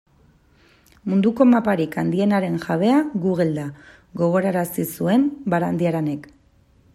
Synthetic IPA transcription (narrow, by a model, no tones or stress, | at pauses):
mund̪uko̞mapaɾikand̪ie̞naɾe̞nʝaβ̞e̞aɡuɣeld̪a | ɡo̞ɣ̞o̞ɾaɾasisue̞mbaɾand̪iaɾene̞k